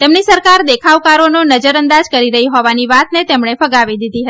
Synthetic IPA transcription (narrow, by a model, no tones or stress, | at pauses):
t̪emnisəɾkaɾd̪ekʰaʋkaɾononəd͡ʒəɾənd̪ad͡ʒkəɾiɾəɦiɦɔʋaniʋat̪net̪emɳefəɡaʋid̪id̪iɦət̪